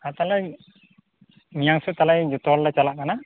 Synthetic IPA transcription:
at̪alaj | nijaŋsɛt̪alajd͡ʒut̪ɔllat͡ʃalaʔkana

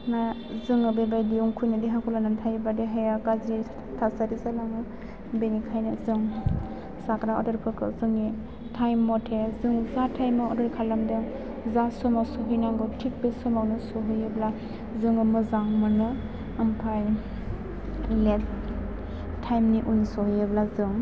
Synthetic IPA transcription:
na | zɯŋɯbebajdiuŋkʰujnɯdiɦakʰulanamtʰajbadeɦejaɡazɾi | tʰasaɾizalaŋɯ | benikʰajnɯzɯŋ | sakɾaɔ̰daɾpʰɯɾkʰɯzɯŋi | tʰajmːɔtʰezɯŋizatʰajmɯɔ̰dɔɾikʰalamdɯ | zasɔmasɔɦɯjnaŋɡɯtʰik̚besɔmawnɯsɔɦɯjebla | zɯŋɯmɯzaŋmɯnɯː | mpʰaj | les | tʰajmniʔunsɔhɯjeblazɯŋ

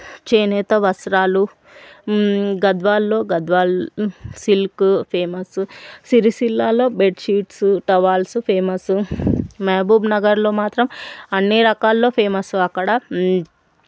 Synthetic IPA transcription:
t͡ʃeːnɛːt̪ɐʋɐsɾaːlu | ɡɐd̪ʋaːlːo̞ːɡɐd̪ʋaːlsilkpʰeːmɐsusiɾisilːaːlo̞ːbeɖʃiːʈsuʈɐʋaːlsupʰeːmɐsumeːbuːbnɐɡɐɾlo̞ːmaːt̪ɾɐmɐnːiɾɐkaːlːo̞ːpʰeːmɐsuɐkːɐɽɐ

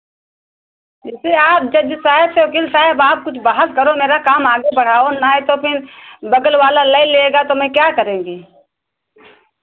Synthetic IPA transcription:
d͡ʒɪseaːp̚d͡ʒɐbd͡ʒɪsaːɦɪbseʊkiːlsaːɦɪbaːp̚kʊt͡ʃʰbaːɦəlkəɾomeːɾakaːmaːɡebɐɽ̤aːonaɦɛt̪opʰɪɾbɐɡəlwaːlaləileeːɡat̪omɛ̃kjaːkəɾẽːɡiː

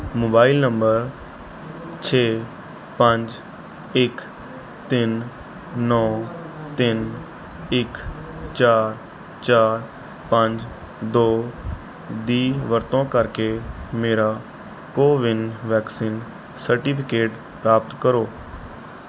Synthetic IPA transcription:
moːbaːɪlnəmbəɾ | t͡ʃʰeː | pəɲd͡ʒ | ɪk | t̪ɪn | nɔː | t̪ɪn | ɪkt͡ʃaːɾ | t͡ʃaːɾ | pə̃ɲd͡ʒ | d̪oː | d̪iːʋəɾt̪õːkəɾkeːmeːɾaː | koːʋɪnʋɛːksiːn | səɾʈiːpʰɪkeːʈ | pɾaːp̚t̪kəɾoː

